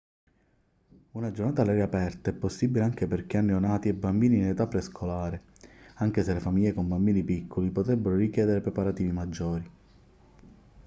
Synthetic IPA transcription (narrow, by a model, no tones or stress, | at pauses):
unad͡ʒornaːt̪alɛɾapɛrt̪aɛpːosːibileaŋk̟eperk̟eanːionaːt̪iɛbːambiːniːnet̪apːɾeskʰolaːɾe | aŋk̟eselefamiʎːekombambiːnipikʰːolipot̪ɾɛbːeɾoɾikjɛːd̪eɾepɾepaɾat̪iːvimad͡ʒːɔːɾi